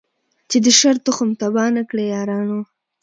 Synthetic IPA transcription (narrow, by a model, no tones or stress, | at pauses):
t͡ʃed̪əʃaɾt̪ʊxəmt̪abɑnakɽejɑːɾɑːno